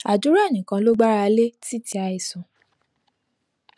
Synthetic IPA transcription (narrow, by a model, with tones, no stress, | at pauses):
a˨d͡ʒu˨˦ɾa˦˨nĩ˨kã˧lo˦ɡ͡ba˦ɾa˧le˦ti˦˨ti˧a˧i˨sũ˨